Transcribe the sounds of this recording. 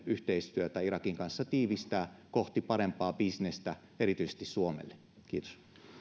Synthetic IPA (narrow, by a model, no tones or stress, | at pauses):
yht̪eist̪yøt̪æirɑkiŋkɑnsːɑt̪iːʋist̪æːkoht̪ipɑɾempɑːbisnest̪æ | eɾit̪yise̥st̪issuomḛlːe | kiːt̪o̥s